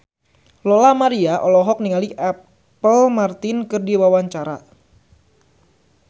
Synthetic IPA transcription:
lolamaɾiaʔɔlɔɦɔk̚niŋaliʔa | pəlmart̪ɪnkɨrdiwawaɲt͡ʃaɾa̰

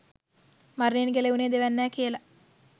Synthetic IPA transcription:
marneːnɡeleuneːd̪eʋænːæːkijəla

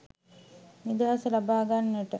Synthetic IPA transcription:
nid̪aɦasəlabaːɡanːəʈə

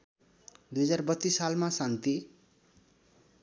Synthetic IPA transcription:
d̪ujɦʌd͡zarbʌt̪ːisːalmasant̪i

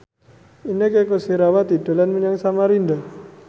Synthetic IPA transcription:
inekekosiɾawat̪idalanməɲaŋsamaɾinda

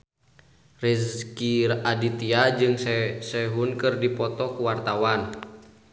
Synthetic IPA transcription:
riskiradit̪iad͡ʒɨŋsɛɦunkɨrdipɔt̪ɔkuwart̪awan

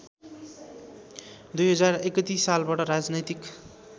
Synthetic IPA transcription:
d̪ujɦʌd͡zarekʌt̪isːalbaʈʌɾad͡znʌjt̪ik

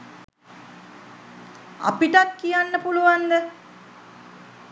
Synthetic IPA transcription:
a̰piʈakːijanːəpuluʋand̪ə

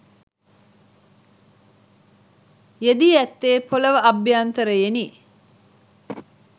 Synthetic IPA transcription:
jed̪iæt̪ːeːpʰoləʋəɐbjaːnt̪əɾəjeni

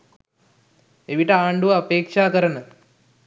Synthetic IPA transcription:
eʋiʈəaːɳɖuʋɐapeːkʂaːkəɾənə

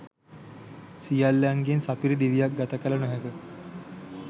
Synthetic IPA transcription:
sijalːaŋɡensapiɾid̪iʋijak̚ɡat̪akələnoɦeɡə

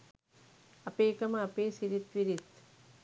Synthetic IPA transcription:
ɐpeːkɐmɐɐpeːsiɾit̪ʋiɾit̪

